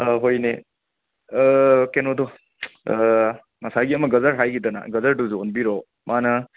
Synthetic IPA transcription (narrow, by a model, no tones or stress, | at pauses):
ɦojne | kenɔd̪ɔ | nasajɡiɐmɐɡɐzɐɾɦajɡidɐna̰ɡɐzɐɾduzuɔnbiɾɔ | manɐ